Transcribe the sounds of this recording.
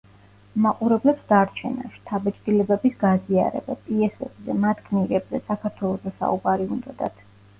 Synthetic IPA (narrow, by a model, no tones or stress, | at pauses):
maqʼuɾɛblɛpsd̪aɾt͡ʃʰɛ̰na̰ʃt̪ʰabɛt͡ʃʼd̪ʼilɛbɛbisɡazia̰ɾɛ̰bapʼiɛsɛ̰bzɛmad̪ɡʰniɾɛbzɛsakʰaɾt̪ʰwɛlˠɔzɛsa̰ubaɾiund̪ɔd̪a̰t̪ʰ